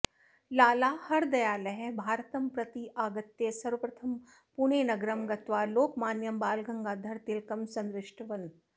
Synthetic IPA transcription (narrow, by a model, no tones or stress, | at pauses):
laːlaːhɐɾd̪ɐjaːlɐɦebʱaːɾt̪ɐmpɾɐt̪iʔaːɡɐt̪jesɐɾʋəpɾɐt̪ʰɐm | puɳ̃eːnɐɡɾɐmɡɐt̪ʋaːloːkmaːnjɐmbaːlɡʱɐŋɡaːd̪ʱɐɾt̪ilkɐmsɐ̃nd̪ɾɪʂʈʰɐʋɐn